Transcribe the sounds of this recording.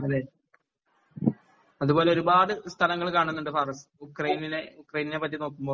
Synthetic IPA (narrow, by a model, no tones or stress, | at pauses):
ɐleː | ɐðubo̞ːle̞oɾubaːɽɨst̪ʰɐlɐŋːɐɭkaːɳunːuɳɖɨfaːrɐs | ukrɐjnineukrɐjininepɐt̪ːjino̞ːkːumbo̞ː